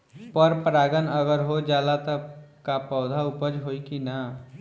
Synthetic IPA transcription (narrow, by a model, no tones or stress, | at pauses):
pəɾpɾaːɡənəɡəɾɦod͡ʒaːlat̪əkapɔʊd̪ʱaʊpəd͡ʒɦoːikina